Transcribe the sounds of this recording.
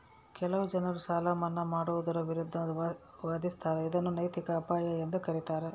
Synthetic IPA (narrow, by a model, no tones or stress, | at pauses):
kɛlɐʋud͡ʒɐnɐɾusaːlɐmɐnːɐmaːɽuʋud̪ɐɾɐʋiɾud̪ʱːɐ | ʋaːd̪ist̪aːɾeid̪ɐnːunɐjt̪ikɐːpaːjɐend̪ukɐɾit̪aːɾe